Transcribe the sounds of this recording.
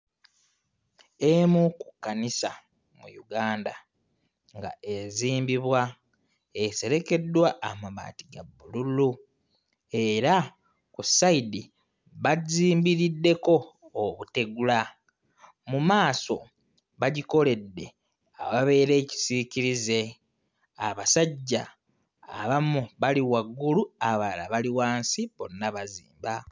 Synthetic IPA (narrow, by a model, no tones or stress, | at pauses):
emuku̥kːanisa̰ | mṵjuɡaːnda | ŋɡa̰eziːmbiβwa | e̞se̞ɾe̞ke̞dːwaʔːmaβa̰ːtiɡabːululu | e̞ɾa | kusaidi | βaziːmbiɾidːe̞ko̞ːβute̞ɡula | mumaːso̞ | βaɟiko̞le̞dːe̞ | aβaβe̞ːɾe̞ːci̥siciɾize̞ | aβasaɟːa̰ː | βamuβaliwaɡːuluaβala̰βaliwaːnsiβo̞nːaβazḭːmba